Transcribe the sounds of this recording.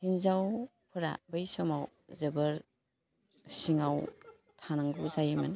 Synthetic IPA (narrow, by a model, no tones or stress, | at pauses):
hinzaw | pʰɯɾa̰bɯjsɔmaw | zebɯɾ | siŋaw | tʰanaŋɡuzajman